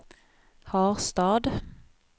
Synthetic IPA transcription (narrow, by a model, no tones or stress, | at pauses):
hɑːʁst̪ɑːd̪